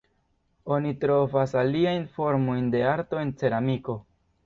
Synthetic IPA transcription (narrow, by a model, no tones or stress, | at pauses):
o̞nitɾo̞vasaliajnfo̞ɾmo̞jnde̞aɾto̞e̞nt͡se̞ɾamiko̞